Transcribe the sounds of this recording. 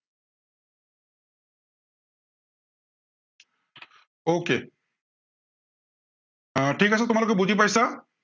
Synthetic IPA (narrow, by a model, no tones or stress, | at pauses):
oke | ʈʰiːkasat̪ʊmaloɡkːebud͡ʑʱip̬ajsa